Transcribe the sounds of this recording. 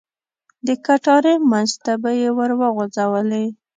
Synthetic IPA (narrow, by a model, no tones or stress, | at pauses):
d̪əkaʈɑɾemanzt̪abajewəɾwəɣozawəle